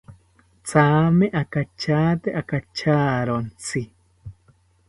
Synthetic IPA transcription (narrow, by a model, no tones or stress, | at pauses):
t͡saːmeʔakat͡ʃaːt̪eʔakat͡ʃaːɾont͡si